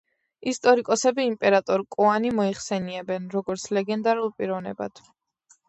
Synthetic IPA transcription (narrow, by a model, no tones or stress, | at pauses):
ist̪ʼɔɾikʼɔsɛbiːmpʼɛɾat̪ʼɔɾkʼuanimɔiχsɛniɛbɛnɾɔɡɔɾt̪sʰlɛɡɛnd̪aɾulˠpʼiɾɔvnɛ̰ba̰d̪̥ʰ